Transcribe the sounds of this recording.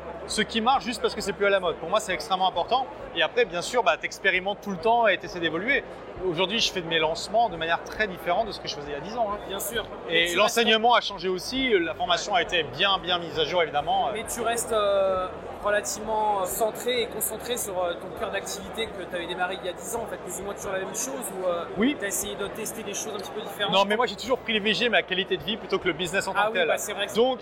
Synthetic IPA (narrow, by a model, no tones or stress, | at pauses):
səkʲimaʁʃʒyst̪̚paʁsə̥kəsɛplyalamɔd̪̚puʁmwasɛt̪ɛkst̪χɛmːɑ̃ɛ̃pɔʁt̪ɑ̃ | eapχɛbjɛ̃syʁbat̪ɛkspeʁimɑ̃t̪ːulət̪ɑ̃et̪esɛjd̪evɔlɥe | oʒuʁd̪ɥiʒəfɛd̪əmelɑ̃smɑ̃d̪əmanjɛʁt̪χɛd̪ifeʁɑ̃t̪̚d̪əsə̥kəʒəfəzɛiljad̪izɑ̃ɛ̃bjɛ̃syːʁ | elɑ̃sɛɲəmɑ̃aʃɑ̃ʒeosilafɔʁmasjɔ̃aet̪ebjɛ̃bjɛ̃mizaʒuʁevid̪amɑ̃ømɛt̪yʁɛst̪ø | ʁəlat̪ivmɑ̃sɑ̃t̪χeekɔ̃sɑ̃t̪χesyʁøt̪ɔ̃kœʁd̪ak̚t̪ivit̪ekət̪yavɛd̪emaʁeiljad̪izɑ̃ɑ̃fɛt̪̚klyzumwɛ̃t̪yɛlamɛmʃozuøwit̪yaesejed̪ət̪ɛst̪ed̪eʃozɛ̃pət̪i̥pød̪ifeʁɑ̃nɔ̃mɛmwaʒet̪uʒuʁpχileveʒemeakʲɛlit̪ed̪əviplyt̪okələbiznɛsɑ̃t̪ɑawt̪ɛlsɛvʁɛd̪ɔ̃k